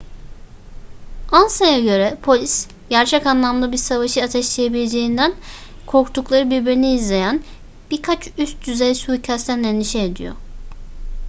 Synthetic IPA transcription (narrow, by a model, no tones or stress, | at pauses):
ansajaɟø̞ɾɛpʰo̞lʲis | ɟ̥æɾt͡ʃʰɛcanlˠamd̪ˠabiɾsavaʃɯat̪ʰɛʃlʲejebilʲe̞d͡ʒe̞jind̪ænkʰo̞ɾkt̪ʰuklˠaɾɯbiɾbiɾiniːzlʲe̞jæn | b̥iɾkʰat͡ʃyst̪̚d̪yzejsucʰæst̪ʰænd̪eniʃɛːd̪ḭjo̰